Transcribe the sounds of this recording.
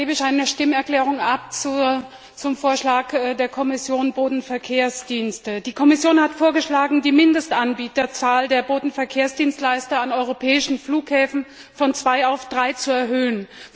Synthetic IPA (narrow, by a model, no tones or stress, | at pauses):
eːbəɪçʔaɪnəʃtɪmənɛɐklɛːʁ̞ʊŋʔap̚t͡su | t͡sʊmfoːɐʃlaːkːdeːɐkʰɔmɪsjoːnboːdn̩fɛɐkʰeːɐsd̥iːnstəd̥iːkʰɔmɪsjoːnhatfoːɐɡəʃlaːɡŋ̩diːmɪndəstʔanbiːtɐt͡saːldeːɐboːdn̩fɛɐkʰeːɐsd̥iːnstlaɪstɐanɔʏʁopʰɛːɪʃn̩fluːkhɛːfn̩ | fɔnt͡sv̥aɪaʊfd̥ʁaɪt͡suɛɐɦøːən